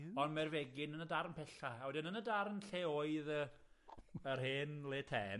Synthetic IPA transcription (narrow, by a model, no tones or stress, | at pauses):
ɔnmɛrvɛɡɪnənədaɾənpʰɛɬaawədɪnənədaɾənɬeːoːɨðə | ərɦeːnleːtʰɛː